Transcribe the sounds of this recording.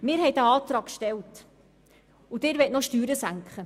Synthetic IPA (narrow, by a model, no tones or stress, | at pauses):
mɪːɾhɛjdæɑːt̪ɾɑːkkʃtɛlt | ud̪ɪːɾʋɛtnɔʃtyːɾəsæŋkχə